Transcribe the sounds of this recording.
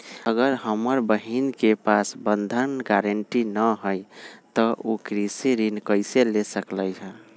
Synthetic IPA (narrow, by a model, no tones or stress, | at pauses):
əɡəɾɦəməɾbəɦinkepasbənd̪ʱənɡaɾəɳʈinəɦəjt̪əʔokɾisiɾinkəɪselesəkləjɦə̃